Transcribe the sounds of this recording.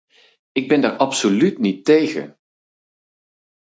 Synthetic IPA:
ɪɡ̚bɛndaːɹʔɑpsolytnitejχə̰n

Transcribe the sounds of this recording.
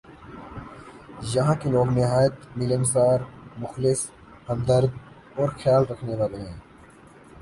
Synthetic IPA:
jɐɦãːkeloːɡnɪɦaːjət̪mɪlemsaːɾmʊxlɪs | hɐmd̪əɾd̪̚ | oːɾxjaːlɾɐkʰneʋaːɾeɦẽː

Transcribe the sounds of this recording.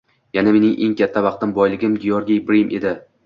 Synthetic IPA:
janame̞nɪŋʔeŋkʲʰat̪ʰːavɑqt̪ɪmbɒjlɪɡʲɪmɡʲijoɾɡʲijbɾimʔe̞d̪ɪ

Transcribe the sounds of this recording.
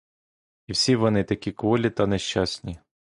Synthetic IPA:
iwsʲiʋɔnɪt̪ɐkʲikʋɔlʲit̪ɐneʃt͡ʃasʲnʲi

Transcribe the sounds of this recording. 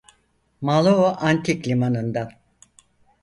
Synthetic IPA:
malˠooʔant̪ʰiklʲimanɯnd̪a

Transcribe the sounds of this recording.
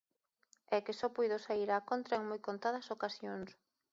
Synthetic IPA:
ɛkɪsɔpujðosaiɾakont̪ɾɐeŋmojkont̪að̞ɐsokasjoŋs

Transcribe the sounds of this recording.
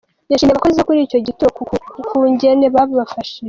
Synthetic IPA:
jaʃiːmeβakoze̞kuɾiːco̞ɟitukuɲɟe̞ne̞βaββafaʃi

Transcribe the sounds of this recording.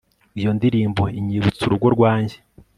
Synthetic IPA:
ijo̞ndiɾiːmboiɲiːβut͡suɾuɡo̞ɾɡwaːɲɟe̞̥

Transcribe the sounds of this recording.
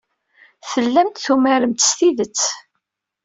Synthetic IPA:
θəlːæmt̪θumæɾəmt̪ə̥st̪iðət͡sː

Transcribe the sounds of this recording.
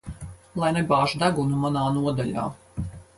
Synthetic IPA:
lˠajnɛbaːʒud̪aɡunumanaːnuɔd̪aʎʲa̰ː

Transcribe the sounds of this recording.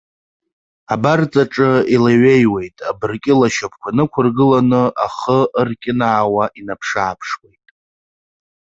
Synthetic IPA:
abart͡sʼaʈ͡ʂʼɨilaɥe̞jwe̞jtʼabɨrkʲʼɪlaʃapʰkʷʰanɨkʷʰʊrɡɨlanɨʔaχəərkʲʼɪnaːwaʔinapʰʂaːpʰʂwe̞jtʼ

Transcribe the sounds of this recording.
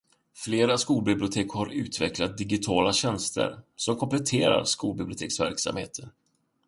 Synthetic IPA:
fleːɾaskuːlbɪblɪʊt̪ʰeːkhaɾʉ̟̰ːt̪ʰvɛklat̪̚d̪ɪɡɪt̪ʰɑːlaɕɛnst̪ʰə̰ɾsɔmkʰɔmplɛt̪ʰeːɾa̰ɾskuːlbɪblɪʊt̪eːksvæ̰ɾksa̰mhḛːt̪ʰən

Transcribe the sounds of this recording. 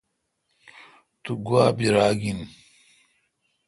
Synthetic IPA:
t̪uɡuaːbiɾaːɡin

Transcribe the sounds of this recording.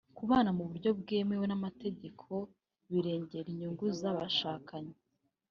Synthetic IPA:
kuβaːnamuβuɾɟo̞bɡeːmewenamate̞ɟe̞kʰo̞ | βiɾe̞ːɲɟe̞ɾiɲuŋɡuzaβaʃaːkaɲe

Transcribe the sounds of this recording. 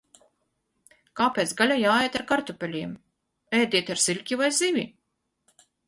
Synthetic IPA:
kaːpʲɛt̪sɡalʲajaːɛjt̪aɾkaɾt̪upʲɛlʲiɛm | ɛjd̪ʲiɛt̪aɾsilʲkʲivajzivʲi

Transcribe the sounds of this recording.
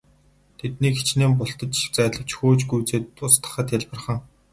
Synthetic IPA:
t̪ʰet̪niːkxet͡ɕneːmpʊɬt̪ə̆t͡ɕɪk̚t͡sæːɮə̆w̥t͡ɕxoːt͡ɕɡujt͡seːt̪ʊst̪ə̥̆χə̆t̪jæɮpə̆rχə̆ŋ

